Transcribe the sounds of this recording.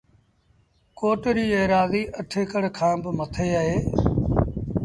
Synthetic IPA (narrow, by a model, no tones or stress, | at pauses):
koːʈɾiːeːɾaːziːʔəʈʰeːkəɽkʰãːbɪmət̪ʰeːəɦeː